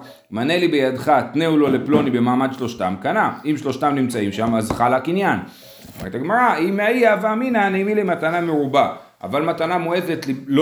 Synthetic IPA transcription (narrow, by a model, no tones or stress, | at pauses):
manelibejadχat̪neulo̞le̞plo̞nibe̞maːmad̪ʃlo̞ʃtamkanaimʃlo̞ʃt̪amnimt͡saimʃamazχalhakinjan | a̰ma̰ʁet̪aɡmaʁaimeaiaveaminaneimilimatanameʁuba | ʔa̰valmatanamoe̞ve̞tlilo